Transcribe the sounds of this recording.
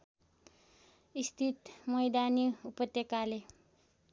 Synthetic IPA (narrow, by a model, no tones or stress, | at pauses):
ist̪ʰit̪mʌjd̪aniupʌt̪jekale